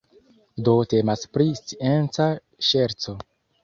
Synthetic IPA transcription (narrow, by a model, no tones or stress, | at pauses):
do̞te̞maspɾist͡sient͡sa | ʃeɾt͡so̞